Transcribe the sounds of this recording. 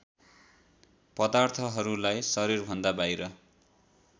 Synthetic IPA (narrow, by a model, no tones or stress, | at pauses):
pʌd̪art̪ʰʌɦʌɾulajsʌɾirbʱʌnd̪abajɾʌ